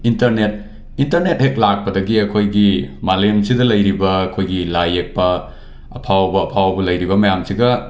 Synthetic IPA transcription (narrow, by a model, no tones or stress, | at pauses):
intɐɾnet̚ | intɐɾnet̚hek̚lak̚pɐdɐɡiɐkʰojɡimalemsidɐlɐjɾibɐːkʰojɡilajek̚pɐ | ɐ̰pʰawbɐːpʰawbɐlɐjɾibɐmɐjamsiɡɐ